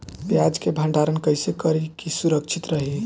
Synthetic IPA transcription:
bjad͡ʒkebʱə̃ɳɖaɾənkəɦjsekəɾikisuɾəkt͡ʃʰit̪ɾəɦi

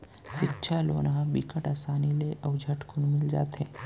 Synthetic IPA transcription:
ʃɪtːʃʰaloːnãbikəʈaːsaːnileʔəʊd͡ʒʱəʈkʰʊnmɪld͡ʒa̰ːt̪ɦɛ̃ː

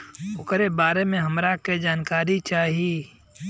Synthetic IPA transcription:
ʊkɾebaːɾemẽɦɐmɾaked͡ʒaːnkaːɾit͡ʃaːɦieː

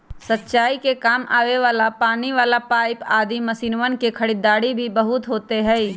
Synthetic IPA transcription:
sɐtːʃaːikekaːmʔaːʋeʋaːlapaːniʋaːlapaːɪpaːd̪imɐsiːnʋənkekʰɐɽiːd̪aːɽibʱibɐɦʊt̪ɦoːt̪eɦɛ̃

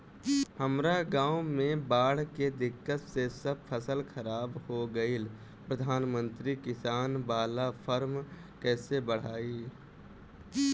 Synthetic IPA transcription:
həmɾaɡãːwmẽbaːɽ̤ked̪ɪkːət̪sesəb̚pʰəsəlxʰəɾaːbhoɡəil | pɾəd̪ʱaːnmə̃nt̪ɾikɪsaːnbaːlapʰəɾm | kɛːsebəɽ̤aːiː

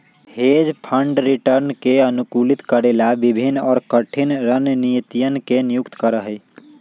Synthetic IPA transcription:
hed͡ʒpʰəɳɖɾiʈəɾnkeənukulit̪kəɾelabibʱinɔːɾkəʈʰinɾənnijt̪ijənkenijukt̪kəɾəɦəj

